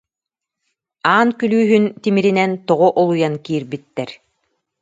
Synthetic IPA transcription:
aːnkylyːɦynt̪imiɾinɛnt̪ɔʁɔʔɔlˠujankiːɾbit̪ːɛɾ

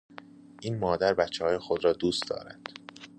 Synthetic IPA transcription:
ʔiːnmɒːd̪æɾbæt̪t͡ʃʰːehɒːje̞xod̪ɾɒːd̪uːst̪d̪ɒ̰ːɾænd̪̥

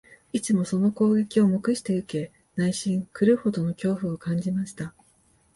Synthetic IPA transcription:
it͡sɨmo̞so̞no̞ko̞ːɡe̞kʲio̞mo̞kɯ̟ɕi̥t̪e̞ɯ̟ke̞ | naiɕĩŋkɯ̟ɾɯ̟ho̞d̪o̞no̞kʲo̞ːɸɯ̟o̞kãɲ̟d͡ʑimaɕi̥t̪a

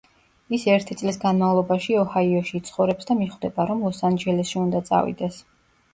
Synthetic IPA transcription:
isɛɾt̪ʰit̪sʼlisɡanmavlˠɔbaʃiɔhaiɔʃiːt̪sʰχɔvɾɛpsd̪amiχwd̪ɛbaɾɔmlˠɔsand͡ʒɛlɛsʃiund̪at̪sʼa̰vḭd̪ɛs

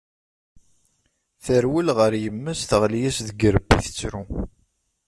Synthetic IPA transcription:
θəɾwəlʁəɾjəmːəsθəʁljæsðəɡəɾəbːḭθə̥t͡sːɾu

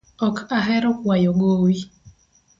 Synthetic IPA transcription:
ɔkʰaɦɛɾɔkwajɔɡowi

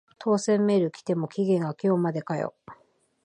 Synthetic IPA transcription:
t̪ʰo̞ːsẽ̞mːe̞ɾɯ̟kʲi̥t̪e̞mo̞kʲiɡẽ̞ŋɡakʲo̞ːmad̪e̞kajo̰

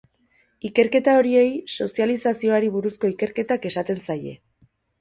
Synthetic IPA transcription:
ike̞ɾke̞t̪ao̞ɾie̞jso̞sialisasio̞aɾiβuɾusko̞ike̞ɾke̞t̪ake̞sat̪e̞nsaje̞̰

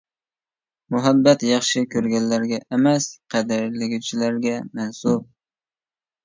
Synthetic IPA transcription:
mʊɦabːat̪jɑχʃɪkʲʰɵɾɡʲanːaɾɡʲaʔemæsqʰɑd̪ɪɾlɪɡʲɪt͡ʃʰɪlaɾɡʲamansʊb̚

